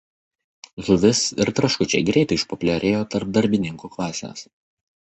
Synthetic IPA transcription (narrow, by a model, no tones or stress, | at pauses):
ʒʊʋʲɪsɪɾt̪ɾɐʃkʊt͡ʃʲɛɪɡɾʲɛɪt̪ɐɪɪʃpɔpʲʊlʲɛɾʲeːjoːt̪ɐɾp̚d̪ɐɾʲbʲɪnʲɪŋkuːklˠɑːsʲḛs